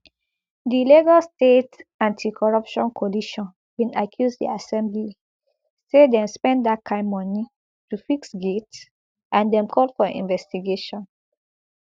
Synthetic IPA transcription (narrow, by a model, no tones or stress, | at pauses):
diliɡɔlstetãntʰikʰɔɹɔpʃɔ̃nkʰɔliʃɔ̃n | wĩnakʰjuzdḭasɛ̃mbli | sedɛ̃mspɛ̃nddat̚kʰãɪ̃mːɔni | tufiksɡet | ʔãndɛ̃mkʰɔldfɔḭ̃nvɛstiɡeʃɔ̃n